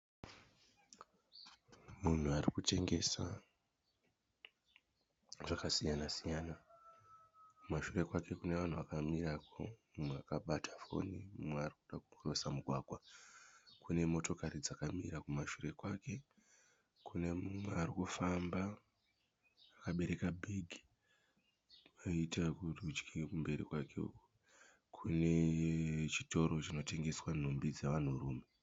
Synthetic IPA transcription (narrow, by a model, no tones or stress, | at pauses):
mun̤uarikut͡ʃe̞ŋɡe̞sa | ʐakasijanasijaːna | kumaʃure̞kwake̞kune̞ʋan̤uʋakamiɾako̞̰mumweakaɓatʰḁfo̞̰nimumwearikuɗakurosamuɡʱwaːɡ̥ʱwa | kʰune̞mo̞to̞kaɾid͡zakamiɾakumaʃure̞kwake̞ | kune̞mumwe̞arikufamba | kaɓe̞ɾe̞kabʱiɡʱi̥ | aitakurud͡ʒkikumbe̞ɾḭkwakeṵku̥ | kʰune̞ | t͡ʃito̞ɾo̞t͡ʃino̞te̞ŋɡe̞swan̤umbid͡zeʋan̤uɾuːme